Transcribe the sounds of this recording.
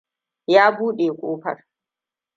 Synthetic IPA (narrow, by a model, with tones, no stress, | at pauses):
jaː˦buː˦ɗeː˨kʷʼoː˦ɸɐ̰˨r